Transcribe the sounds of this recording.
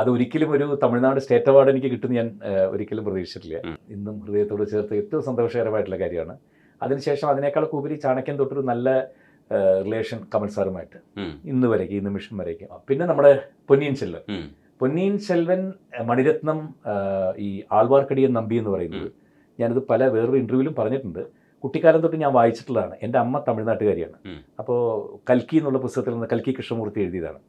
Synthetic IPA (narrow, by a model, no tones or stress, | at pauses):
ɐðɨo̞ɾikʲːɐlumo̞ɾut̪ɐmiɭnaːʋɖesʈe̞ːtːɐʋaːɽenikʲːɨkiʈːunːɐɲaːno̰ɾikʲːɐlumprɐðiːʂit͡ɕːɐʈːilːɐ̰inːumkrɨðejɐt̪ːoːɽɨt͡ɕeːrt̪ːɨet̪ːɐʋɐmsɐnd̪ɐʂɐɐrɐmaːjiʈːuɭːlːɐkaːɾjɐ̰ma̰ːɳɨ | ɐ̰ðinɨɕe̞ːʂɐmɐðine̞kːaːɭɐkːuːkɐɾit͡ɕaːɳɐkʲːent̪oːʈːoɾunɐlːɐ | rile̞ːʂɐnkɐmɐlsaːrumaːjiʈːɨ̥inːɨʋɐɾɐkʲːiinːɨmiʂɐmʋɐɾekʲːumpinːe̞nɐmːuɽe̞ponːijinɕelʋɐ̰n | ponːijnt͡ɕelʋɐnmɐɳiɾɐt̪nɐm | iːaːɭʋaːrkɐɽijɐnɐmbie̞nːɨpɐrɐjunːɐ̰ðɨ | ɲaːnɐðɨpɐlɐʋe̞ːrɨiɳɖruʋilumpɐrɐɲːiʈːuɳɖɨ | kuʈːikʲːaːlɐmt̪o̞ʈːɨɲaːnʋaːjit͡ɕːi̥ʈːuɭːɐðaːɳɨ̰ʔe̞nde̞ɐmːɐt̪ɐmiɻnaːʈːɨkaːɾija̰ːɳɨɐpːo̞ːkɐlkːijenːuɭːɐp̬ust̪ɐɣɐt̪ːilnnːɨkɐlkikːiʂʈɐmuːrt̪ːie̞ɻuðijɐða̰ːɳɨ